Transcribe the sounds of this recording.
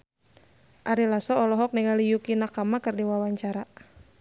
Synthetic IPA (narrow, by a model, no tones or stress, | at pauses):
ʔaɾilasɔːlɔɦɔk̚nɛŋalijukinakamakərdiwawaɲt͡ʃaɾa